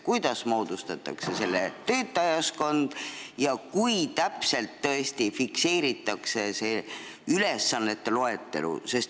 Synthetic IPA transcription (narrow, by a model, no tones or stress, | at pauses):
kujd̪̥ɑsmo̞ːd̪̥ust̪ɑt̪ːˑɑ̰kse̞se̞lːḛt̪ø̞ːt̪ːˑɑjɑsko̞nd̪̥jɑkujt̪æpse̞lt̪ːɤ̞est̪ifikse̞ːɾit̪ːˑɑkse̞se̞ | yle̞sːɑnːe̞t̪ːe̞lo̞et̪ːe̞̰lṵse̞st̪